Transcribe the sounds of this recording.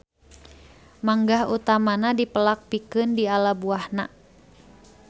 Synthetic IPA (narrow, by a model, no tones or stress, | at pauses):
maŋɡahut̪amanadipəlak̚pikɨndialabuahna